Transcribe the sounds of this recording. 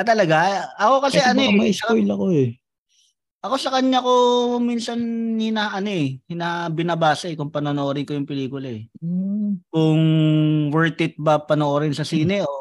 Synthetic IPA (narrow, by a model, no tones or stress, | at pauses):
ɐt̪ɐlɐɡaɐko̞kɐsɛʔɐnomɐʔisɐkɪlɐkoɛ | ʔɐko̞sɐkɐɲːako̞miːnsɐnhɪnaʔɐnoɛhɪnabɪnɐbaːsɐɛkʊŋpɐnonoʔoːɾɪkojʊŋpɪliːkʊlaɛ | kʊŋwɛɹt̪ɪt̪̚bɐpɐnoʔoɾɪnsɐsiːnɛʔo